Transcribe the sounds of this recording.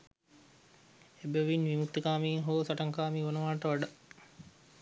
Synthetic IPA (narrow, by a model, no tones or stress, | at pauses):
ebəʋinʋimut̪ːəkaːmiːɦoːsaʈəŋkaːmiːʋonəʋaːʈəʋaɖa